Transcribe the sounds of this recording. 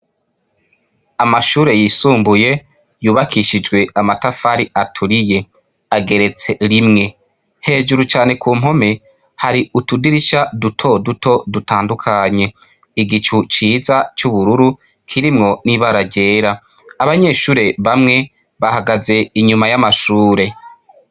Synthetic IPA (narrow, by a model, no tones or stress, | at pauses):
amaʃuːɾe̞jiːsuːmbuje̞ | juːβakʰiʃid͡ʒɡwe̞amatafaɾiʔatʰuɾije̞ | aɡe̞ɾe̞t͡se̞ɾimŋe̞ | he̞ːd͡ʒuɾut͡ʃaːne̞kʰuːm̥ɦo̞me̞ | haɾiutudiɾiʃadutʰo̞dutʰo̞dutʰaːndukʰaɲe̞ | iɡit͡ʃut͡ʃiːzat͡ʃuβuɾuɾu | kʰiɾimŋo̞niβaɾaɾɟe̞ːɾa | aβaɲe̞ʃuːɾe̞βamŋe̞ | βahaɡaze̞iɲumajamaʃuːɾe̞